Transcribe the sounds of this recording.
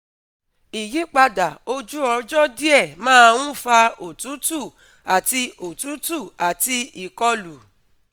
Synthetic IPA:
i˨ji˨˦k͡pa˧da˨o˧d͡ʒu˦ɔ̃˧d͡ʒɔ˦di˦ɛ˦˨mãː˦˧w̃ũ˦fa˧o˨tũ˨˦tu˦˨ | a˨ti˧o˨tu˨˦tu˦˨a˨ti˧i˨kɔ˧lu˨

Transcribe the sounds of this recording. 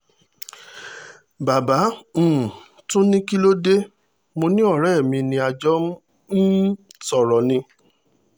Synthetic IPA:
ba˨bã˨˦˨ | tũ˦nĩ˦ki˦lo˦de˦ | mo˧nĩ˦ɔ˦˨ɾɛ˦˨mĩ˧nĩ˧a˧d͡ʒɔ˦m̩˦ | sɔ˨ɾɔ˨nĩ˧

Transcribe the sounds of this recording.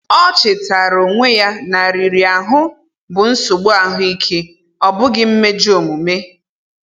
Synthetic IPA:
ɔ˦t͡ʃɪ˨ta˨ɾo˨ŋʷe˦ja˦na˨ɾi˨ɾi˨a˨ɦʊ˦ | bʊ˨n̩˦sʊ˨ɡ͡bʊ˦a˨ɦʊ˦i˦kʰe˦ | ɔ˦bʊ˦ɡɪ˦m̩˦me˦d͡ʒo˨mu˨me˦

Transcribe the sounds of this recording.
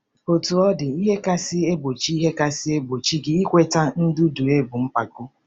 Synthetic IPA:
o˨tu˨ɔ˦dɪ˨i˦ɦe˦ka˦sɪ˦e˦bo˨t͡ʃi˦i˦ɦe˦ka˦sɪ˦e˦bo˨t͡ʃi˦ɡɪ˦i˦kʷe˦ta˦n̩˦du˦du˨e˦bʊ˨m̩˦pa˨ɡʊ˦

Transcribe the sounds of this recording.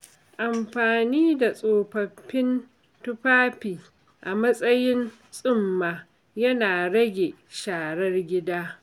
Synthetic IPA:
ʔa˨mɸaː˨niː˦da˨sʼoː˨ɸɐ˨ɸːɪ˦n | tʊ˦ɸaː˦ɸiː˨ | ʔa˨mɐ˦sʼɐ˦jɪ˦n | sʼʊ˦mːaː˨ | jɐ˦naː˨ɽɐ˦ɡʲe˨ʃaː˨ɽɐ˦rɡʲɪ˦daː˦

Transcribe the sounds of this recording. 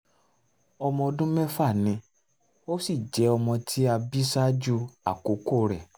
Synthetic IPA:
ɔ˧mɔ̃˧o˧dũ˦mɛ̃˦fa˦˨nĩ˧˦ | o˦si˦˨d͡ʒɛ˨˦ɔ˧mɔ̃˧tʰi˦a˧bi˦sa˦d͡ʒu˦a̰˨ko˨˦ko˦˨ɾɛ˨

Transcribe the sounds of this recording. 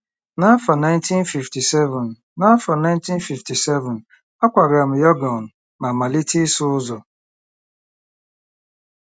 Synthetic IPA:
na˦a˦fa˨na˦ɪ˦nti˦nfi˨fti˨sɛ˦vʊ˨n˨ | na˦fa˨na˦ɪ˦nti˦nfi˨fti˨sɛ˦vʊ˨n̩ | a˦kʷa˨ɡa˨m̩˨jɔ˦ɡɔ˨n̩˨ | ma˨ma˨li˦ti˦sʊ˦ʊ˦zɔ˨

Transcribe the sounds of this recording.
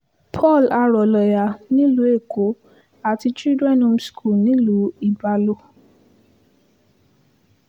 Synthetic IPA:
pʰɔ˦˨la˧ɾɔ˨lɔ˨ja˨nĩ˨˦lu˨˦e˦˨kʰo˨˦ | a˨ti˧t͡ʃi˦dɾɛ˦˨nũ˧m̩˦skʰu˨nĩ˨˦lu˨˦i˦˨ba˧lo˦˨

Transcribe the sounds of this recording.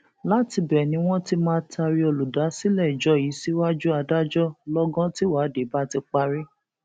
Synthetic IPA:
la˦ti˧bɛ˨nĩ˨˦w̃ɔ̃˦ti˦mãː˦tʰa˧ɾi˧˦o˧lu˨da˨˦si˦lɛ˦˨i˨d͡ʒɔ˦ji˨˦si˦wa˦d͡ʒu˦a˧da˦d͡ʒɔ˦lɔ˦ɡɔ̃˦ti˦wa˨˦de˨˦ba˦ti˧k͡pa˧ɾi˦

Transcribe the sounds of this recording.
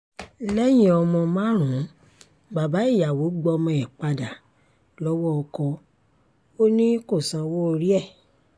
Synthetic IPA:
lɛ˦j̃ĩ˦ɔ˧mɔ̃˧mã˦ɾ̃ũ˨˦ | ba˨ba˨˦i˦˨ja˨wo˨˦ɡ͡bɔ˧mɔ̃˧ɛ˨k͡pa˧da˨ | lɔ˦wɔ˦ɔ˧kɔ˧ | o˦nĩ˦ko˦˨sã˧wo˦o˧ɾi˦ɛ˦˨

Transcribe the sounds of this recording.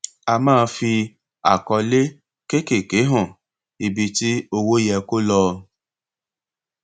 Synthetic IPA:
a˧mãː˦˧˦fi˧ | a̰˨kɔ˧le˦ | ke˦ke˨ke˨˦ɦɔ̃˦˨ | i˨bi˧ti˦o˧wo˦jɛ˧ko˦lɔː˧

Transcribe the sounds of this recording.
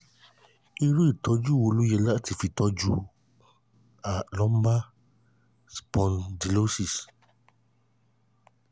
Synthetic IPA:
i˧ɾu˦i˦˨tɔ˨˧d͡ʒu˦˨wo˨˧˨lu˦jɛ˧la˦˨ti˨fi˧˨tɔ˧˦d͡ʒu˦ | a˨lɔ̃˦m˦ba˦ | spɔ̃˧ndi˨lo˦si˦˨s

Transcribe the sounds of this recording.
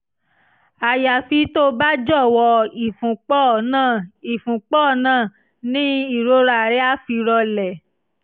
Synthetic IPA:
a˨ja˨fi˧˦to˦ba˦d͡ʒɔ˦˨wɔ˧i˨fũ˨k͡pɔ˦˨nãː˦˨i˨fũ˨k͡pɔː˦˨nãː˦˨ | nĩ˦i˦˨ɾo˨˦ɾa˨ɾɛ˦a˦fi˧ɾɔ˧lɛ˨

